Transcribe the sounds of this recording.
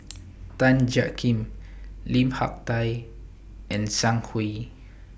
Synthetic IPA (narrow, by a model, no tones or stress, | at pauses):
t̪ãnd͡ʒakĩmlĩmha̰k̚t̪aj | ʔɛ̃nsãŋkʰwi